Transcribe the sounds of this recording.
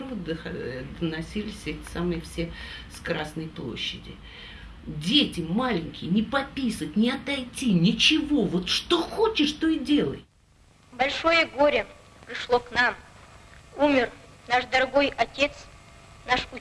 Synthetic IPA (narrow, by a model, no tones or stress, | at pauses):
d̪əxɐd̪ənɐsʲilʲɪsʲɛtʲɪ̥samɨjfsʲeskɾasnəjplˠo̞̰ɕːɪdʲɪ̰ | dʲetʲɪmalʲɪnʲkʲɪjnʲɪpɐpʲisətʲnʲɪɐt̪ɐjtʲinʲɪt͡ɕɪvo̞vo̞t̪ʂt̪o̞xo̞t͡ɕɪʂt̪o̞ɪdʲe̞lˠə̰j | bɐlʲʂo̞jəɡoɾʲɪ | pɾʲɪʂlˠoknam | umʲɪrnaʂd̪ɐɾɐɡo̞jɐtʲe̞t̪s | naʂu